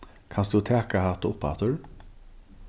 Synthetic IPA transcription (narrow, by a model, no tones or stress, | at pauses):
kʰansd̪ʊt̪ʰæːkahat̪ʊpːa̰t̪ʊɹ